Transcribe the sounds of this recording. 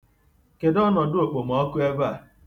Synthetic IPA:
ke˨dɔ˦nɔ˨dʊ˦o˨k͡po˨m˨ɔ˦kʊ˦e˦ba˨

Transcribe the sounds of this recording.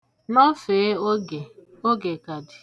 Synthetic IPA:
nɔ˦feː˨˦˨ | o˦ɡe˨ka˨dɪ̥˨

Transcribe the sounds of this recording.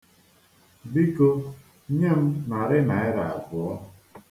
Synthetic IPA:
bi˦ko˦ | ɲe˦m̩˦na˨ɾɪ˦na˨ɪ˦ɾa̰˨a̰˨ɡʊ˨ɔ˦

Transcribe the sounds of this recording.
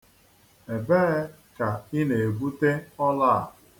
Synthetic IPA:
e˨be˦ | ka˨i˦ne˨e˨ɡ͡bu˦te˦ɔ˦la˦˨

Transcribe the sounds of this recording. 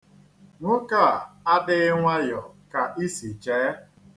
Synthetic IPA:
ŋʷʊ˦ka˦˨a˦dɪ˦ŋʷa˦jɔ˨ka˨ʔi˦si˨t͡ʃɛː˨˦

